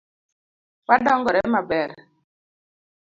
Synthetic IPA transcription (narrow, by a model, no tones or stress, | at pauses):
kadɔŋɡɔɾɛmabɛɾ